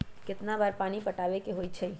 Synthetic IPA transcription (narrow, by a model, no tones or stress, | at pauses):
kɪt̪nabaːɾpaːnipəʈaːʋekeɦoːit͡ʃʰe